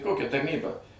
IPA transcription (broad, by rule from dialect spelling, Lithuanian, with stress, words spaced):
ˈkoːkʲɛ tɐrʲˈnʲiːbɐ